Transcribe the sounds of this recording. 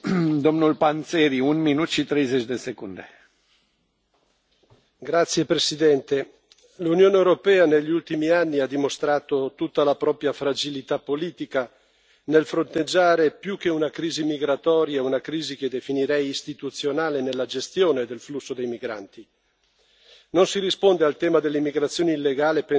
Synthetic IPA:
d̪omnulpant̪seɾiunminut̪ʃit̪ɾejzet͡ʃd̪esekund̪e | ɡɾat̪sːjepɾesid̪ɛnt̪e | lunjoːneewɾopɛːaneʎːiult̪imianːiad̪ːimost̪ɾaːt̪ot̪ut̪ːalapɾɔːpɾjafɾad͡ʒilit̪apːoliːt̪ika | nelfɾont̪ed͡ʒːaːɾepjuk̟ːeunakɾiːzimiɡɾat̪ɔːɾjaunakɾiːziked̪ːefiniɾɛjist̪it̪ut̪sjonaːlenelːad͡ʒest̪joːned̪elflusːod̪ejmiɡɾa̰nt̪i | nonsiɾispond̪ealt̪ɛːmad̪elːeimːiɡɾat̪sːjoːneilːeɡaːlepe

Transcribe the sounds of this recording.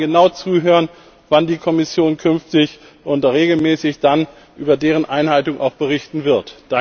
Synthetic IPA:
ɡənaʊt͡suːɦøːʁən | vandiːkʰɔmɪsjoːnkʰʏnftɪç | ʔʊntʁeːɡl̩mɛːsɪçd̥an | ʔyːbɐdeːʁənʔaɪnhaltʊŋʔa̰ʊxb̥əʁɪçtn̩vɪɐtd̥a

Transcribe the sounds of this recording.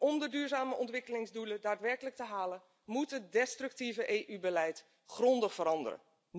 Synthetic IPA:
ʔɔmdədyːɹzaːməʔɔntʋɪkəlɪŋzdulədaːtʋɛrkələk̚təɦaːlə | mutɦət̚dɛstrɵk̚tivəʔeːʔybəlɛjt | χrɔndəχfəɾɑndə̰rə̰

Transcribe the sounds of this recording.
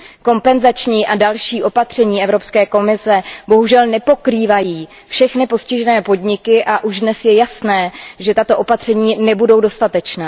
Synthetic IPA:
ko̞mpɛnzat͡ʃɲiːʔadalʃiːʔo̞pat̪r̝̥ɛɲiːɛvɾo̞pskɛːko̞mɪsɛbo̞ɦuʒɛlnɛpo̞kɾiːvajiː | fʃɛxnɪpo̞scɪʒɛnɛːpo̞dɲɪkɪʔaʔuʒdnɛsjɛjasnɛːʒɛt̪at̪o̞ʔo̞pat̪r̝̥ɛɲiːnɛbudo̞wdo̞st̪at̪ɛt͡ʃnaː

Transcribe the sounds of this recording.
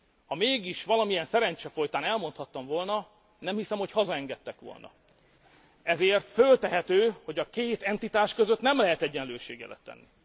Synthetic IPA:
hɒmeːɡiʃʋɒlɒmijɛnsɛɾɛɲt͡ʃɛfo̞jt̪aːnɛlmo̞nt̪hɒt̪ːɒmvo̞lnɒ | nɛmhisɛmho̞chɒzɒɛŋɡɛt̪ːɛkʋo̰lnɒ̰ | ɛzeːrt̪følt̪ɛɦɛt̪øːho̞ɟɒkeːt̪ɛnt̪it̪aːʃkø̞zøt̪nɛmlɛɦɛt̪ɛɟːɛnløːʃeːɡɛ̰lɛ̰t̪ːɛ̰nːi

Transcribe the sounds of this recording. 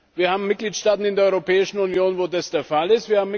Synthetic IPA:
viːɐhaːbm̩mɪt̚ɡ̥liːtʃtaːtn̩ɪndeːɐɔʏʁopʰɛːɪʃn̩unjoːnvoːdasd̥eːɐfalɪstv̥iːɐhaːmː

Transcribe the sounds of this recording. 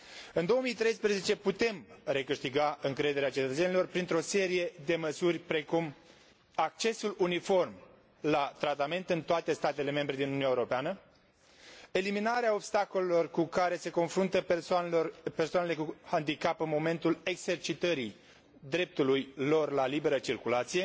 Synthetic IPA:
ɨnd̪o̞omijt̪ɾe̞jspɾeze̞t͡ʃe̞put̪e̞mre̞kɨʃt̪iɡaɨŋkɾe̞d̪e̞ɾeat͡ʃe̞t̪ət̪senilo̞rpɾint̪ɾo̞se̞ɾije̞d̪e̞məsurʲpɾe̞kum | ak̚t͡ʃe̞sulunifo̞rm | lat̪ɾat̪ame̞nt̪ɨnt̪oat̪e̞st̪at̪e̞le̞me̞mbɾe̞d̪inununaeuɾo̞peanə | e̞liminaɾeao̞bst̪ako̞lelo̞rkukaɾe̞se̞ko̞nfɾunt̪əpsorpe̞rsoanele̞kuhand̪ikapɨnmo̞me̞nt̪ule̞ɡse̞rt͡ʃit̪əɾi | d̪ɾe̞p̚t̪ulujlo̞rlalibe̞ɾət͡ʃirkulat̪sije̞

